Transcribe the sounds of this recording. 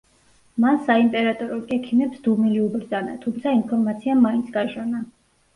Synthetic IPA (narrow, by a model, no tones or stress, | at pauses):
mansaimpʼɛɾat̪ʼɔɾɔkʼɛkʰimɛpsd̪umiliubɾd̪zana̰t̪ʰumt̪sʰainpʰɔɾmat̪sʰiamaint̪sʰɡaʃɛna